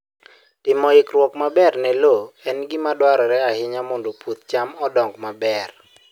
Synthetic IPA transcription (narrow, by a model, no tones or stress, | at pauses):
tɪmɔɪkɾwɔkmabɛrnɛloɛnɡɪmadwaɾɔɾɛahɪɲamɔndopwot̪̚t͡ʃamɔdɔŋɡmabɛr